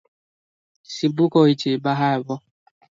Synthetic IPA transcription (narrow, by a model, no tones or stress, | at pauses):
sibʊkɔit͡ʃebaɦaebɔ